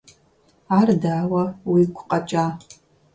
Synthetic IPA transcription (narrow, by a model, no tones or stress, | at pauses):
ardaːwɐwikʷʰqʼɐt͡ʃʼa